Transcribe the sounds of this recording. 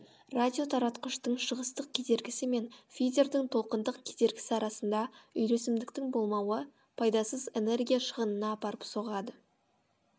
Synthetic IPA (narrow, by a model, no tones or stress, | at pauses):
rad̪ʲio̞t̪ʰɑɾɑt̪qəʃt̪əɴʃəʁəst̪əq̚kʲʰed̪e̞ɾɡʲɪsɪme̞nfʲijd̪ʲe̞ɾd̪ɪŋt̪ʰo̞lˠqənd̪əqkʲʰed̪e̞ɾɡʲɪ̥sɪɑɾɑsənd̪ɑʏjɾe̞sɪmd̪ɪk̚t̪ɪŋbo̞lˠmɑwə | pʰɑjd̪ɑsəzene̞rɡʲijaʃəʁənənɑːpɑɾəpso̞ʁɑd̪ə